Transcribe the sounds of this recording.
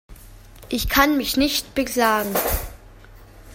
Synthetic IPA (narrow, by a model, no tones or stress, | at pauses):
ʔɪçkʰanmɪçnɪçtb̥əkʰl̥aːɡŋ̩